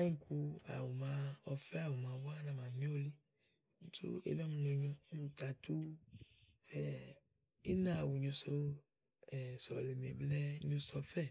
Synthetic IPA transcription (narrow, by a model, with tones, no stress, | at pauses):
a˦ɲĩ˦ku˧a̰˨wu˨mã˨˧ɔ˨fɛ˦a˨wu˨mã˨wa˦nã˨mã˨ɲo˦li˦˨ | tṵ˦ḛ˨nɔ˦mũ˨no˨ɲũ˦mũ˨t̪a˨t̪u˦ | fɛ˨ | i˦nã˦˨wu˨ɲũ˨˧so˦ | ɛ˨sɔ˨le˨m˨ḛ˨blɛ˦ɲũ˧sɔ˧fɛ˦˨